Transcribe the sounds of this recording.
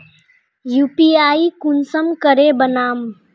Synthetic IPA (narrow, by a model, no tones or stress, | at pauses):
juːpiaːikunsəmkəɾebənaːm